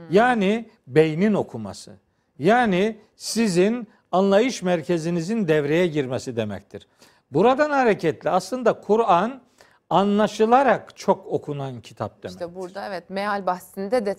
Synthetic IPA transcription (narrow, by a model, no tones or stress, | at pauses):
jaːni | bejnino̞kʰuma̰sɯ̰ | jaːni | sizin | anlˠajɯʃmæɾcʰe̞zinizind̪ɛvɾe̞jɛɟiɾmesid̪e̞mɛ̰c̚t̪ʰiɾ̥ | buɾad̪anhaɾecʰɛt̪lʲiaslˠɯnd̪akʰuɾan | anlˠaʃɯlˠaɾakt͡ʃʰo̞ko̞kʰunancʰi̥t̪ʰa̰p̚d̪euɾɛɛt̪mealʲbahsind̪ɛd̪ɛ